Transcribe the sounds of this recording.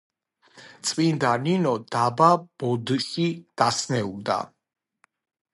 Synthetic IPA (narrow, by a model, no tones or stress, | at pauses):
t̪sʼvind̪aninɔd̪abab̥ɔd̪ʃid̪̥asnɛuld̪a̰